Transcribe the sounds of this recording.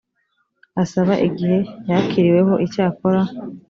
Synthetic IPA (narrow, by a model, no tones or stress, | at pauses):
asaβaʔiɡihe̞jakʰiɾiwe̞ɦo̞ʔicaːko̞ɾa